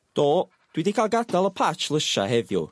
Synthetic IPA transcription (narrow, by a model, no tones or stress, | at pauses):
d̥ɔː | d̥widikʰaːlˠɡadalˠəpʰat͡ʃlˠəʃa̰hɛvjʊ̰